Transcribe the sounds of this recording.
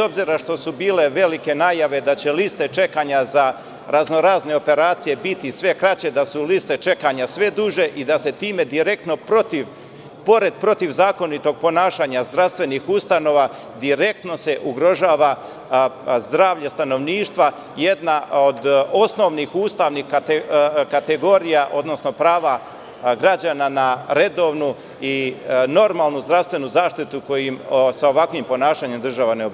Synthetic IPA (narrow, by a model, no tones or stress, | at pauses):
ezo̞bziɾaʃt̪o̞subiːle̞ʋe̞like̞naːjaʋe̞d̪at͡ɕe̞list̪e̞t͡ʃe̞kaɲaza | ɾʔazno̞ɾaːzne̞o̞pe̞ɾaːt̪sije̞bit̪isʋe̞kɾat͡ɕe̞d̪asulist̪e̞t͡ʃe̞kaɲasʋe̞d̪uʒe̞ʔid̪ase̞t̪iːme̞d̪iɾe̞k̚t̪no̞pɾo̞t̪iʋ | po̞ɾe̞d̪̚pɾo̞t̪iʋzaːko̞nit̪o̞ɡ̚po̞naːʃaːɲazd̪ɾast̪ʋe̞nixust̪ano̞ːʋa | d̪iɾe̞k̚t̪no̞se̞ʔuɡɾo̞ʒaːʋa | zd̪ɾaːʋʎast̪ano̞ʋniːʃt̪ʋa | je̞d̪naod̪o̞sno̞ʋnixuːst̪aʋnixaekat̪eɡo̞ɾijaʔo̞d̪no̞sno̞pɾaːʋa | ɡɾad͡ʑananaɾe̞d̪o̞ʋnu | ino̞ɾmaːlˠnuzd̪ɾaʋst̪ʋe̞nuzaːʃt̪it̪uko̞jimsao̞ʋakʋimpo̞naːʃaːɲemd̪r̩ʒaʋaneobi